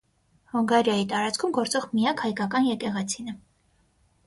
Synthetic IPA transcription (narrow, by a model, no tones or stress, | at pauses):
hɔŋɡɑɾjɑjit̪ɑɾɑt͡sʰkʰumɡɔɾt͡sɔʁmijɑkhɑjkɑkɑnjɛkɛʁɛt͡sʰinə